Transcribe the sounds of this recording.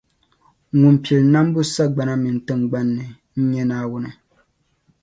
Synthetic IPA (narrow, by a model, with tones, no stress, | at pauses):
ŋu˨mpɛ˨lna˦m˦bu˦sa˦ɡ͡ba˨na˦mɨ˨n˨tɨ˦ŋɡ͡ba˦nːɨ˨ | n̩˦ɲɛ˦naː˦wʊ˦nɨ˨